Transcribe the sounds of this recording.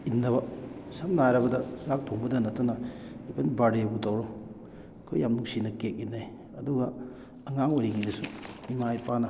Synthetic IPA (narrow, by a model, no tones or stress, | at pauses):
inːɐβɐsamnaɾɐbɐdɐzak̚tʰoŋbɐdɐnɐtːɐnɐipʰenbaɾejbutawɾoŋ | kʰojjamnuŋsinɐkek̚ːinej | ɐduɡɐ | ɐŋaŋojɾiɡidɐsuimajpanɐ